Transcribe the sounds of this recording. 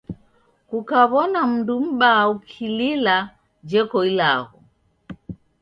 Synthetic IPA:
kukaβɔnam̩ndum̩ɓaukʰilila | d͡ʒɛkɔilaɣɔ

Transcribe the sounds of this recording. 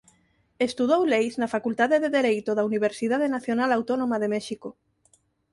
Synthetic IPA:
est̪uð̞owlejznɐfakult̪aðeðeðeɾejt̪oðɐuniβ̞eɾsiðaðenaθjonalawt̪onomaðemɛʃiko

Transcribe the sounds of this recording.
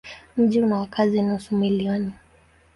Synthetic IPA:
m̩ʄiunawakʰazinausumiliɔni

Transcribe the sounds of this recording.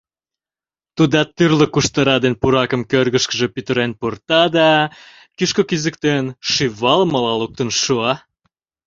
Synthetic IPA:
t̪ud̪ɑt̪ːyrlə̆kuʃt̪əɾɑd̪enpuɾɑkə̆mkørɣəʃkəʒĕpyt̪əɾenpurt̪ɑd̪ɑ | kiʃkokizə̆k̚t̪enʃiβɑlməlɑluk̚t̪ənʃuɑ

